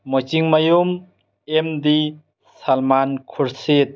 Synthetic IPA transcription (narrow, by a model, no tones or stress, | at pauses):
mɔjt͡ʃiŋmajum | emd̪i | salmankʰuɾset̪̚